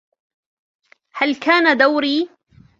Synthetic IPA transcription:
halkaːnad̪awɾiː

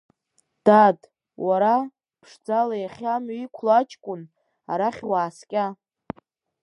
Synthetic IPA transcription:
d̥ad | waɾa | pʰʂd͡zalajaχʲamaikʷʰlat͡ʃʰʼkʷʼʊn | a̰ɾaχʲwaːskʲʼa

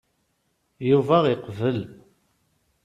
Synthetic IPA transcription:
juvæʁiqvəl

